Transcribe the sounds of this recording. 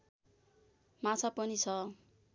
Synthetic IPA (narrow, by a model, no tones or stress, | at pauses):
mat͡sʰapʌnit͡sʰʌ